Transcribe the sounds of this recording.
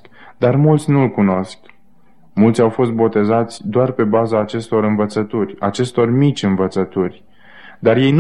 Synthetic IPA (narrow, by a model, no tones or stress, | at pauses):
d̪armult̪sʲnuɨlkuno̞sk | mult̪sʲawfo̞st̪̚bo̞t̪e̞zat̪sʲd̪oarpe̞bazaːt͡ʃe̞st̪o̞ɾɨnvət̪sət̪urʲat͡ʃe̞st̪o̞rmit͡ʃʲɨnvət̪sət̪urʲ | d̪arje̞jn